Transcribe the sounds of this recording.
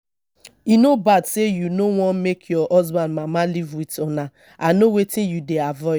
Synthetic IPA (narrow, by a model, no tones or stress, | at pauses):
inobadsejunowɔ̃nmekʰjɔʔɔzbãnmamalivwitɔna | anowetejudeavɔɪ